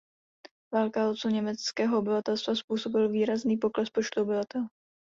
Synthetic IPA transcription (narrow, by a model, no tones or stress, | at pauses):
vaːlkaot͡soɲɛmɛt͡skɛːɦoobɪvat̪ɛlst̪vaspuːso̞bɪlviːɾazniːpo̞klɛspo̞t͡ʃt̪uobɪvat̪ɛl